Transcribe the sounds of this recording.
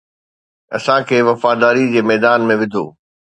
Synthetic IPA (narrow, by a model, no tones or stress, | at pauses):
ɐ̰sãkʰeːʋɐfaːd̪aːɾid͡ʑeːmɛːd̪aːnmẽʋɪd̪ʱo̰ː